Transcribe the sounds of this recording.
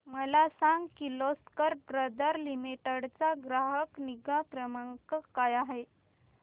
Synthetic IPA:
məlasãŋɡkiloskəɾbɾəd̪əɾlimiʈəɽt͡saɡɾaɦəkniɡãkɾəməŋkəkajaɦe

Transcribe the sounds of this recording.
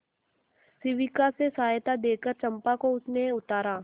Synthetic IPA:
sɪʋɪkasesaːjt̪ad̪eːkəɾt͡ʃɐ̃mpakoʊsneʊt̪aːɾaː

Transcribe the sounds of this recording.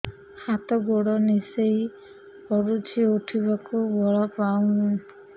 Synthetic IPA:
hat̪ɔɡoɽɔnisej | kɔɾut͡ʃʰiuʈʰibakubɔɭɔpaũ

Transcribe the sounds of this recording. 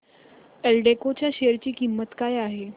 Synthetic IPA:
elɖekot͡ɕjaɕeəɾt͡ɕiːkimːət̪kajaɦe

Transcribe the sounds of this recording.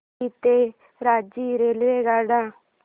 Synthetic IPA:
it̪eː | ɾaːd͡ʒiːɾeːlʋeːɡaːɽãː

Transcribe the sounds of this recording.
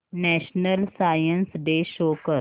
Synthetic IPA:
nɛːʃnəlsaːjənsɖeːʃoːkəɾ

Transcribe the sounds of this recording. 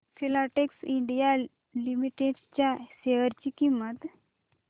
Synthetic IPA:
fʰilaʈeksiɳɖija | limiʈeɖt͡ɕjaɕeʋəɾt͡ɕikimːət̪

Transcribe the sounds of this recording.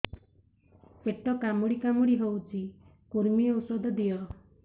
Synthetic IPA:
peʈɔkamuɽikamuɽiɦowt͡ʃʰi | kuɾmiowsɔd̪ɔd̪ijɔ

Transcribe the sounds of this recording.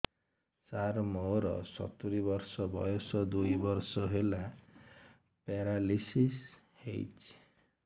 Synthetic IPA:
saɾmoɾɔ̰sɔ̰t̪uɾibɔɾsɔbɔ̰jɔsɔd̪ujbɔɾsɔɦela | peɾalisis | hḛjt͡ʃʰi̥

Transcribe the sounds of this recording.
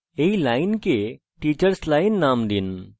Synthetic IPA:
eilaːinke | ʈiːt͡ʃəɾslaːinːaːmd̪in

